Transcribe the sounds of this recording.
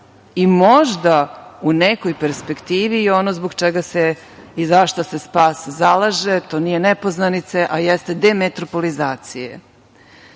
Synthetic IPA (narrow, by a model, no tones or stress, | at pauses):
imo̞ʒd̪aunekojpe̞ɾspe̞kt̪iːʋio̞nozboɡt͡ʃeɡase | izaʃt̪ose̞spaːszalˠaʒe̞t̪o̞ːnijenepo̞znanit̪se̞ʔajest̪e̞d̪emet̪ɾo̞po̞lizaːt̪sijḛ